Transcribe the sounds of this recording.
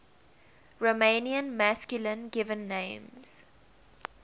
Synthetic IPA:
ɹomẽniə̃nmæskjulə̃nɡɪvə̃nːẽɪ̃mz̥

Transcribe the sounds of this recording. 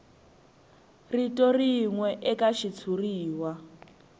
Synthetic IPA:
ritɔriŋwɛʔɛkaʃit͡sʰuriːwa

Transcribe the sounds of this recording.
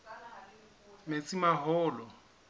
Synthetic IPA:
met͡sʼimaɦɔːlɔ

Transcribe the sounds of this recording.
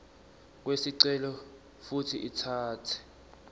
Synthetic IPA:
k̬wesiǀɛlɔ | futʰiʔitʰaːtʰɛ̥

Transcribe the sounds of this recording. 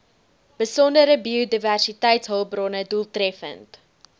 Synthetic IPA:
b̥əsɔndəɾəbiodiværsitɛjtsɦəlˠbrɔnədulˠtrɛfə̰nt

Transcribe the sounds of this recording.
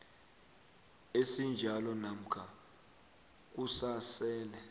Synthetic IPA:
esind͡ʒʱalɔnam̩kʰa | k̬usasɛːlɛ

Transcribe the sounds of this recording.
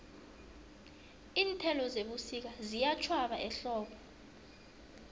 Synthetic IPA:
iːntʰɛlɔzeɓusik̬azijat͡ʃʰwaɓaʔɛɬɔːɓʰɔ

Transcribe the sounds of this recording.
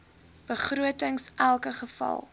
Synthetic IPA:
b̥əχruətəŋsʔælˠkəχəfɐ̰lˠ

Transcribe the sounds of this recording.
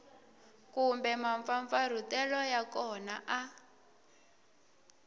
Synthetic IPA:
kumbɛmaɱfaɱfaɾ̤utɛlɔjakɔnaʔa

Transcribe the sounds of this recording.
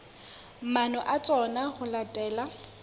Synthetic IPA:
manɔʔat͡sʼɔnaχʊlatʼɛːla

